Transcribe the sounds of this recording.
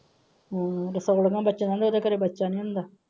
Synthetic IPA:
ɾəsoːɽɡãːbətːt͡ʃẽːd̪aːnd̪eod̪eːkəɾeːbətːʃaːnĩːɦʊ̃nd̪aː

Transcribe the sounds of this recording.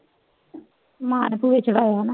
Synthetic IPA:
mãːnepuʋeːt͡ʃʰəɽaːjaɦnaː

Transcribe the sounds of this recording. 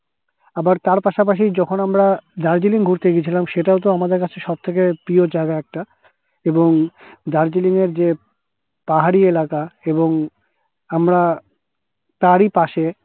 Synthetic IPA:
abaɾt̪aɾpaʃap̬aʃ̬id͡ʑɔkʰonamɾad̪aɾd͡ʑiliŋɡʱuɾt̪eɡit͡ɕʰilamʃeʈaot̪̬oamad̪eɾkat͡ɕʰeʃɔb̚t̪ʰek̬epɾiod͡ʑajɡaɛk̚ʈa | eboŋd̪aɾd͡ʑiliŋeɾd͡ʑe | paɦaɾielakaeboŋ | amɾa | t̪aɾipaʃe

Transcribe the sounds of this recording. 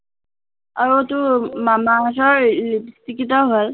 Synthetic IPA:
aɹutumamasɔɹlipst̪ikitɔɦol

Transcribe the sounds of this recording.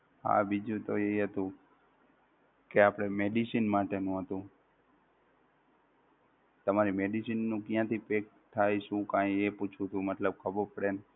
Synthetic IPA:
ɦa̰bid͡ʒũt̪oeiɦət̪ũ | keapɽ̃emeɖisinmaʈenũɦət̪ũ | t̪əmaɾimeɖisinːũkjãt̪ʰipek̚t̪ʰajʃũkãjeput͡ʃʰũt̪ʰũmət̪ləb̚kʰəbəɾpəɽen

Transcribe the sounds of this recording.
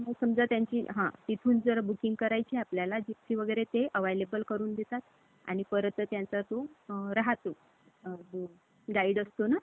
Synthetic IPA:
məɡsəmd͡zat̪jaɲt͡ɕiːɦã̰t̪it̪ʰuːnd͡zəɾbukiŋɡkəɾajt͡ɕiapljalad͡ʑipsiʋəɡəjɾet̪eʔəʋajlebəlkəɾuːnd̪et̪at̪ | a̰ɽ̃ipəɾət̪ət̪jant͡sat̪oɾaɦat̪o | ɡaiɽəst̪ona

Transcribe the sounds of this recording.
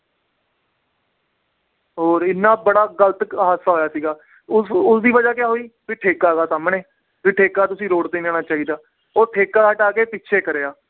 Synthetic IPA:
ɦoːɾɪnːãːbəɽaːɡələt̪ɦaːsaːɦoːjaːsiːɡaː | ʊsʊsd̪iːʋəd͡ʒaːkɪjaːɦoːiːbiːʈʰeːkaːɡaːsaːmɽẽː | biʈʰeːkaːt̪ʊsĩːɾoːɽt̪eːnaːñaːt͡ʃaːɦiːd̪aː | oːɾʈʰeːkaːɦəʈaːkeːpɪtːʃʰeːkəɾeːaː

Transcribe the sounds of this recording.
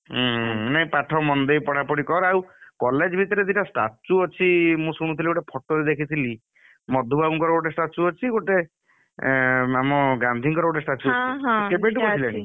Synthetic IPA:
naĩpaʈʰɔmɔnd̪ejpɔɽ̤apɔɽikɔɾawkɔled͡ʒbʱit̪ɔɾed̪iʈasʈa̰t͡ʃuɔt͡ʃʰimũsuɽ̃ut̪ʰiliɡoʈepʰɔʈɔɾid̪ekʰit̪ʰili | mɔd̪ʱubabuŋkɔɾɔɡoʈesʈat͡ʃuɔt͡ʃʰiɡoʈe | amɔɡand̪ʱiŋkɔɾɔɡoʈesʈat͡ʃuɔiɦkebeɳʈɔilaɽĩ

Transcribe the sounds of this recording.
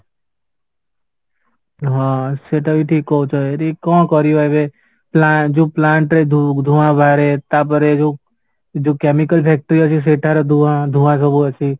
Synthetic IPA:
ɦaseʈʰaʋiʈʰikɔt͡ʃʰɔeɾikɔ̃ːkɔɾjoeʋe | plad͡ʒoːplaɳʈɾed̪ʱud̪ʱuʋãbʱaɾet̪ap̬əɾed͡ʒo | d͡ʒokɛmikəlpʰɛk̚ʈəɾiət͡ʃis̬eʈʰaɾɔd̪ʱuãd̪ʱuʋãs̬ɔbuət͡ʃʰi

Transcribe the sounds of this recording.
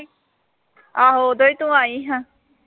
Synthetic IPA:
aɦod̪oit̪ũaːiɦã

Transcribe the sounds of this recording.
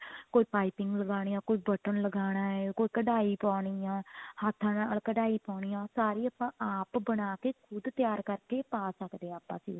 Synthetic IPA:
koːiːpaːɪpɪ̃ŋɡləɡaːɽ̃iːjãːkoːiːbəʈənləɡaːɽ̃aːɛːkoːiːkəɖaːiːpãːɽ̃iːãːhat̪ʰːãnaːlkəɖaːiːpɔ̃ːɽ̃ijãːsaːɾiːəpãːʔaːpbənaːkeːkʰʊd̪t̪jaːɾkəɾkeːpaːsəkd̪eːaːpːã̰ːsḭː

